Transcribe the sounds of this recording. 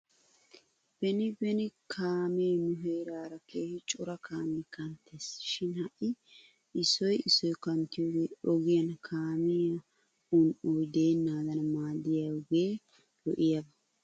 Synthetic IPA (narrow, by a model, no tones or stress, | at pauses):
b̥ɛnɪbɛnɪkʰaːmeːnʊɦeːɾaːɾɐkeːhɪt͡ʃʼʊɾɐkʰaːmeːkɐnt̪ɛsʃɪnhɐʔɪ | ɪsɔjɪsɔjkɐnt̪ɪjoːɡeːɔɡɪjɐnkʰaːmɪɐ | ʊnʔujd̪eːnːaːd̪ɐnɐmaːd̪ɪjɐɡeː | lɔ̰ʔɪjɐbɐ